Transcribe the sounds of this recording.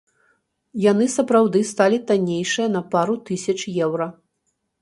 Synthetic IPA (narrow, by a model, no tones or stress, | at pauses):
jan̪ɨsɐpɾawd̪ɨst̪alʲit̪anʲejʂɨjɐnɐpaɾut̪ɨsʲɐt͡ʂjɛwɾɐ